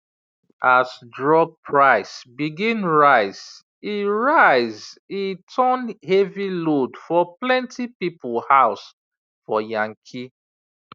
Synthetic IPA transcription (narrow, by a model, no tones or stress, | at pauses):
asdɹɔb̚pʰɹaɪsbiɡĩnɹaɪs | iɹaɪzitʰɔnhevilodfɔplɛ̃ntʰipipulhaʊs | fɔjãŋkʰi